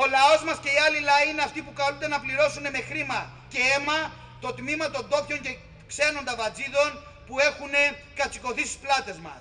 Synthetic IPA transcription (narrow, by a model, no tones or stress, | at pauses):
o̞lɐo̞zmɐsce̞iɐlilɐiine̞ɐft̪ipukɐɾund̪e̞nɐpliɾo̞sune̞me̞xɾimɐ | ce̞e̞mɐ | t̪o̞t̪mimɐt̪o̞nd̪o̞fço̞ɲce̞ | kse̞no̞nd̪ɐvɐd͡ziðo̞n | pue̞xune̞kɐt͡si̥ko̞θist̪i̥splɐt̪e̞zmɐ̰s